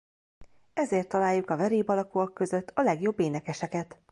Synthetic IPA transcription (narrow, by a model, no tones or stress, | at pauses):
ɛzeːrt̪ːɒlaːjːukɒvɛɾiːbɒlɒkuɒkːø̞zø̞t̪ːɒlɛɡjo̞bːeːnɛkɛʃɛkɛt̪